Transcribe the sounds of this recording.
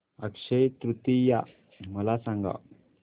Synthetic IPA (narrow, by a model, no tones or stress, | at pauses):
ɐkʂɐjt̪ɾut̪ija | mɐlasãŋɡa̰